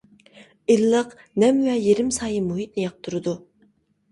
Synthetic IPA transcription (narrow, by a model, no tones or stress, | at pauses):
ilːəq | nɛmwɛjeɾɪmsɑːjɨmuɦit̪̚nɪjɑq̚t̪ʰuɾɨd̪u